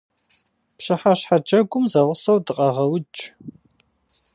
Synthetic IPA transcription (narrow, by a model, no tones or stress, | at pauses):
pɕɨħaɕħad͡ʒɐɡʷʼʊmzɐʁʷʊsɐwdɨqʼɐʁɐwt͡ʃʼ